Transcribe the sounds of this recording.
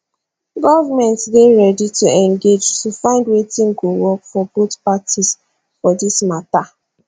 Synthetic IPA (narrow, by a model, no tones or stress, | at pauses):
ɡɔvamɛ̃ntdeɹɛdituɛ̃ŋɡed͡ʒtufãɪ̃ndwetĩŋɡowɔkfɔbotpatʰis | fɔdismata